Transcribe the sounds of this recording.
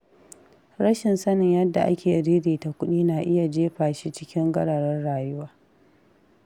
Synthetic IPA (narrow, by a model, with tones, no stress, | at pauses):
ɾɐ˦ʃɪ˨nsɐ˦nɪ˨ɲjɐ˦dːa˨ʔa̰˦kʲeː˨ɾi˦ɾiː˨ta˨kʷʊ˦ɗiː˦naː˨ʔɪ˦ja˨d͡ʒeː˦ɸaː˨ʃi˦t͡ʃɪ˦kʲɪ˦ŋɡɐ˦ɽa˨ɽɐ˦rɽaː˨jʊ˦waː˦